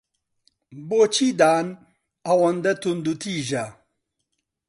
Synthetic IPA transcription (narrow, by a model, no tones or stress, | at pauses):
bot͡ɕʰid̪aːn | ɐwɐnd̪ɐt̪und̪ut̪ʰiːʒɐ